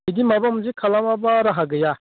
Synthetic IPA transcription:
id̪imabamud͡ʒikʰalamabaɾaɦaɡəja

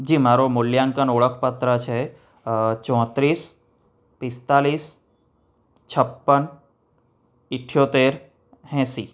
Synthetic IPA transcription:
d͡ʒiːmaːɾomʊljaːŋkənoːɭəkʰpət̪ɾət͡ʃʰɛ | t͡ʃɔ̃ːt̪ɾiːs | pɪst̪aːliːs | t͡ʃʰəpːən | ɪʈʰːjot̪eːɾ | ɦɛ̃ːsiː

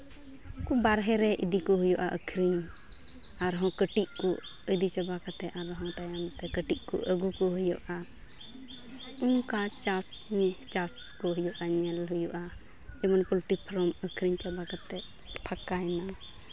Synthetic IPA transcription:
kɔbaɾɦɛɾɛʔid̪ikɔɦujɔʔaʔəkʰɾiɲ | aɾɦɔ̃kəʈiʔkɔʔ | əd̪it͡ʃabakat̪ɛaɾɦɔ̃t̪ajamt̪ɛkəʈiʔkɔ̰ʔəɡukɔɦujɔ̰ʔa | uŋkat͡ʃas | ɲt͡ʃas | kɔɦujɔʔaɲɛlɦujɔʔa | d͡ʒɛmanpulʈipʰɾɔməkʰɾiɲt͡ʃabakat̪ɛʔ | pʰakajna

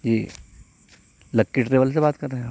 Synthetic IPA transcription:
jiː | lɐkːɪʈɾeːʋəls̬ebaːt̪kɐɾːeɦɛ̃

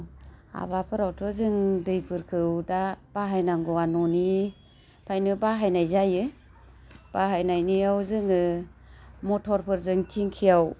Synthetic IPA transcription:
a̰bapʰɯɾawtʰɯzɯŋdɯjpʰɯɾkʰɯwdab̥aɦajnaŋɡɔanɔni | pʰajnɯbaɦajnajzajɯ | b̥aɦajnajnijawzɯŋɯ | mɔtʰɔɾpʰɯɾzɯŋtʰiŋkʰijaw

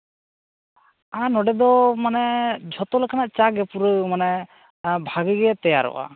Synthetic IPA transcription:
anɔɖɛd̪ɔmanɛd͡ʒʱɔt̪ɔlakʰanaʔt͡ʃaɡɛpuɾəmanɛ | bʱaɡəɡɛt̪ɛja̰ɾɔ̰wa̰

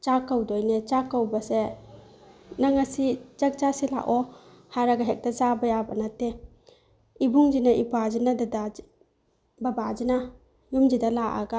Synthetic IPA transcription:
t͡ʃakawdɔjnet͡ʃakawbase | naŋasit͡ʃak̚t͡ʃasila̰ʔɔ | haɾaɡaɦek̚d̥azabajabanate | ibuŋd͡ʒinaʔibazinadada | babazina | jumd͡ʒidalaʔa̰ɡa

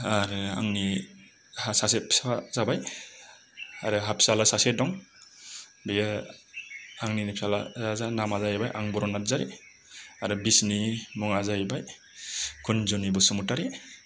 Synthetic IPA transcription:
aɾɯa̰ŋni | hasasepsazabaj | aɾɯɦapʰsalasasedɔŋ | bej | aŋninipʰsala̰azanamazajabajʔaŋbɔɾɔnat̚zaɾḭ | aɾɯbisnimɔŋazajbaj | kʰunzɔnibɔsɔmutaɾi

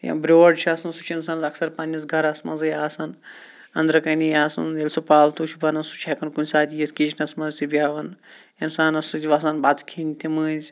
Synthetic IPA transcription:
jã̰bɾʲoːɐɖt͡ʃʰasɐnsut͡ʃʰinsaːnzɐksɐɾpɐnʲɐs̬ɡʱɐɾɐsmɐnzɨjaːsɐn | ɐ̰nd̪ɾɐkɐnijaːsɐ̰nelʲsupaːlt̪uːt͡ʃʰubʱɐnɐnsu̥t͡ʃʰeːkɐnkunʲsaːt̪ʲijit̪ʰkit͡ʃʰnɐsmɐzt̪ibʲjaːʋɐn | insaːnɐsɨd͡ʒʲʋɐsɐnbaːt̪kʰiːnt̪ʲimɨːzʲ

